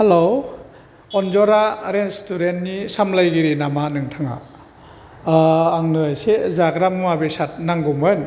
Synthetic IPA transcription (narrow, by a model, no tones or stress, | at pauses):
helo | ɔnd͡ʒɔɾaɾenstuɾentnisamlajɡiɾinamanɯŋtʰaŋa̰ | ŋnɯajsezaɡɾamɯmabesat̚naŋɡɔmɔjn